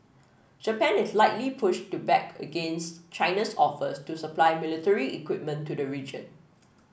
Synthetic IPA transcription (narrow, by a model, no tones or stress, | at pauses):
d͡ʒəpɛ̃nɪslaɪtlipʰʊʃtubɛkʰə̰ɡẽnst͡ʃãɪnəsɔfəstusəplaɪmɪlitəɹiḭkwɪp̚mə̃ntʰːudəɹid͡ʒə̰̃n